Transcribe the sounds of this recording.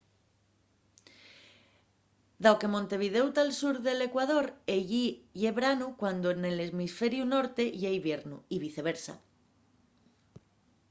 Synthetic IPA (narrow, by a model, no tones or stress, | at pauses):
d̪awke̞mõnt̪e̞β̞ið̞e̞wt̪alsuɾðe̞le̞kwað̞o̞ɾeʝiʝeβɾanukwand̪oene̞lezmisfe̞ɾjuno̞ɾt̪e̞ʝejβje̞ɾnuiβiθe̞β̞e̞ɾsa̰